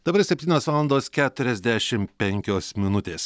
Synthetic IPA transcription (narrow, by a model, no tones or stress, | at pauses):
d̪̥ɐbɐɾsʲɛpʲt̪ʲiːnʲoːsʋɑːlˠɐnd̪oːskʲæːt̪ʊɾʲɛzʲd̪ʲæʃʲɪmpʲɛŋʲkʲoːsmʲɪnʊt̪ʲeːs